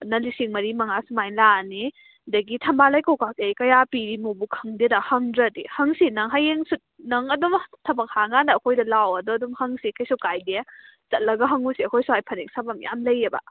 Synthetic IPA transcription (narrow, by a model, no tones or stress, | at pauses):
nɐlisiŋmɐɾimɐŋasumajlani | dɐɡitʰɐmbalajkowkatejkɐjapiɾimobukʰɐŋdedahɐŋdɾɐdihɐŋsinɐŋɦajeŋsut̚nɐŋɐdɔmtʰɐbɐk̚haŋɡandɐːkʰojdɐlawɐdɔdɔmhɐŋsikʰajsukajde | t͡ʃɐt̚lɐɡɐɦɐŋusiɐkʰojsuhajpʰɐnik̚sabamja̰mlɐjebɐ̰